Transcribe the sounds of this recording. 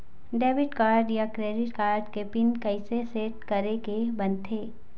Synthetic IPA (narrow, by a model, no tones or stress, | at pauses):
ɖeːbɪʈkaːɾɖjakɾeːɖɪʈkaːɾɖkepɪnkɐɪseseːʈkɐɾekebɐnt̪ʰeː